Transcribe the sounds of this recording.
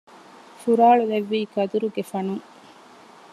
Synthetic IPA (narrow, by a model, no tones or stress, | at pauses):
fuɾaːɭuleʋːiːkɐd̪uɾuɡefɐnuŋ